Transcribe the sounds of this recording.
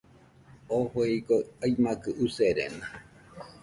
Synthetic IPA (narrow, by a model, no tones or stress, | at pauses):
oheikoajmãkɨʔuseɾḛnã